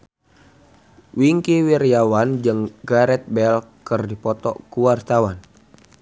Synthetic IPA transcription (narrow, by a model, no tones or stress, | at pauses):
wiŋkiwirijawand͡ʒɨŋɡaɾɛt̪̚bɛlkərdipɔt̪ɔ̰kuwart̪awan